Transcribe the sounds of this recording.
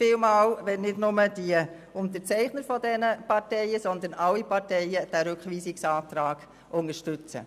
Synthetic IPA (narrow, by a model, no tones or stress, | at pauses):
fɪːlmɑːwʋɛnnɪdnʊməd̥iə | ʊnt̪ət͡sɛɪχnəɾfɔdɛnəpɑɾtɛɪəsɔnd̪ənɑlːipɑɾtɛɪəd̥æːɾʏkʋiːsɪksɑːt̪ɾɑːɡ̥ | ʔʊŋəʃtʏt͡sə̰